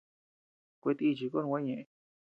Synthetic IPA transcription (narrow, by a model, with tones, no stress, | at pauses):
kʷe˧t̪i˦i˧t͡ʃi˧ko˦nũ˧ã˦ɲẽ˧ʔẽ˧